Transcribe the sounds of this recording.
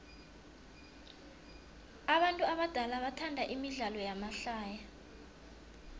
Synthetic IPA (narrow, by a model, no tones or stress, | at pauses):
aɓantʼuaɓad̥ʱalaɓatʰandʱaʔimiɮalɔjamaɬaːja